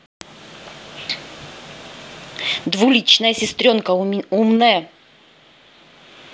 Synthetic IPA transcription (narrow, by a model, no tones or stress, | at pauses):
d̪vulʲit͡ɕnəjəsʲɪst̪ɾʲonkəumnəjə